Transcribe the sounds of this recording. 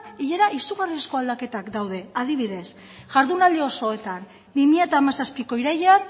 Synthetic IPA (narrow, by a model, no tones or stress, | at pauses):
iʎe̞ɾaʔisuɣariasko̞ald̪ake̞t̪akd̪awðe̞aðiβ̞iðe̞s | ʝaɾðunald̪eo̞so̞e̞t̪an | bimiat̪aːmasaspiko̞iɾajean